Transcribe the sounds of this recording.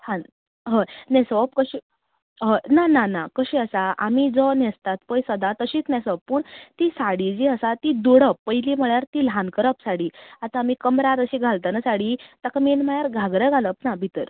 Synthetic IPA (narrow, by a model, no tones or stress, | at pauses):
t̪ʰan | ɦə̃nɛsəʋpkəɕi | ɦə̃nananakəɕiəsaamid͡zɔnɛst̪at̪pəjsəd̪at̪əɕiːt͡snɛ̃səpːəɳt̪isaɽid͡ʑiəsat̪id̪uɽəpːəjliːm̤əɭjaɾt̪iːlɦankəɾəpsaɽiːat̪aːmiːkəmɾaɾəɕiːɡʱalt̪anasaɽit̪akamelmajaɾɡʱaɡɾəɡʱaləpnabʱit̪əɾ